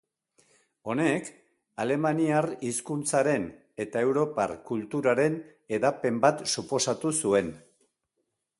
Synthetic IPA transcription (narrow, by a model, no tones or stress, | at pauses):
o̞ne̞k | ale̞maniariskunt͡saɾe̞n | e̞t̪ae̞wɾo̞pa̰rkult̪uɾaɾe̞n | e̞ðape̞mbat̪supo̞sat̪usue̞n